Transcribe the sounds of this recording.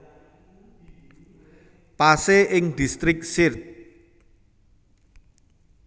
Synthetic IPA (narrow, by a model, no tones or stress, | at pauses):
paseʔɪŋd̪̥i̤st̪ɾɪk̚sɪrt̚